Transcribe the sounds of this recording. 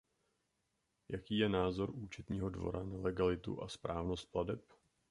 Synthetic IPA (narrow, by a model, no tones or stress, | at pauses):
jakiːjɛnaːzo̞ɾʔuːt͡ʃɛt̪ɲiːɦo̞dvo̞̰ɾanalɛɡalɪt̪ṵʔaspɾaːvno̞st̪̚pladɛp